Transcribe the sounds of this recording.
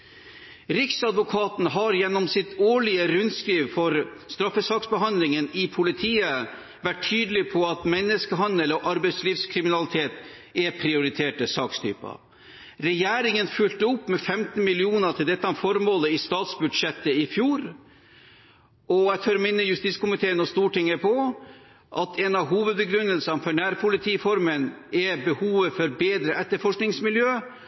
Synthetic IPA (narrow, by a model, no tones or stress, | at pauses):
ɾɪksɑd̪ʋʊkʰɑːt̪n̩ɦɑɾjɛnːɔmsɪt̪oːɭɪəɾʉnskɾiːʋfɔɾst̪ɾɑfəsɑːksbəɦɑnd̪lɪŋənɪpʰʊlɪt̪ʰiːə | ʋæʈʰːyːd̪əlɪpʰɔɑt̪mɛnːəskəɦɑnd̪əlɔʔɑɾbɛɪt̪sliːʋskʰɾɪmɪnɑlɪt̪ʰeːt̪ | ɛpʰɾɪʊɾɪt̪ʰeːʈəsɑːkst̪ʰy̰ːpɑ̰ | ɾɛjæːɾɪŋənfʉlt̪əʊpːmɛfɛmt̪n̩mɪlɪuːnət̪ʰɪld̪ɛt̪ːɑfɔɾmoːləɪst̪ɑːt̪sbʉd̪ʂɛt̪ːəɪfjuːɾ | ɔæt̪ʰøːɾmɪnːəjʉst̪iːt̪skʊmɪt̪ʰeːənɔst̪uːʈɪŋːəpʰɔ | ʔɑt̪ʰɛnɑɦuːʋəd̪̚bəɡɾʉnːəlsənfɔɳæːɾpʰʊlɪt̪ʰiːfɔɾmənɛbəhuːʋəfɔɾbeːd̪ɾəʔɛt̪ːəɾfɔʂknɪŋsmɪljøː